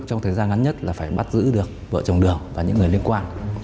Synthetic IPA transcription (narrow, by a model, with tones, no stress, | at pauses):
t͡ɕɔ˧wŋ͡mt̪ʰəː˨˩jzaː˧nŋa˨˦nɲə˦˥t̚laː˨˩faː˧˩jɓa˦˥t̚zɨ̰˧˥ɗɨ˨˩ək̚və̰ː˧˨t͡ɕə˨˩wɗɨ˨˩əŋvaː˨˩ɲɨ̰˧˥ŋː˨˩əjli˧ənkwaː˧n